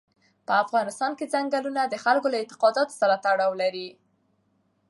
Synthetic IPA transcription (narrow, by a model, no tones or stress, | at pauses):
pəafɣɑnɪst̪ɑnkezaŋɡalunad̪əxalkolaɪnt̪ɪ̥qɑd̪ɑt̪o̥saɾat̪aɽɑwlaɾi